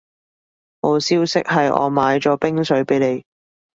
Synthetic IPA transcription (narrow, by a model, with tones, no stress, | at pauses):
ho˨˧wsiː˥wsɪ˥k̚hɐ˨jʔɔ̰ː˨˧maː˨˧jt͡ʃɔː˨˥pɪ˥ŋsɵ˨˥ɥpe˨˥jle˨˧j